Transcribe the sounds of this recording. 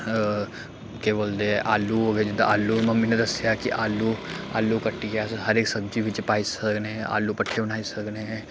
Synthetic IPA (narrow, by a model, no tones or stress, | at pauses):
keːboːld̪eɦɛːʔaːlːuːɦoːɡeːd͡ʒɪd̪a̰aːlːuːməmiːnẽd̪əsɪjaːkɪʔaːlːuːa̰ːlːuːkəʈːiːɡaɦəɾeːksəb̚d͡ʒiːʋɪt͡ʃpaːiːsəkneɦa̰ːlːuːpəʈʰːeːbənaːisəkneːɦɛ̃ː